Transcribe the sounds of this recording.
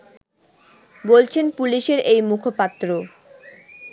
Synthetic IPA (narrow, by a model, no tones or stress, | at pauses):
bolt͡ɕʰenpuliʃeɾejmukʰopat̪ːɾo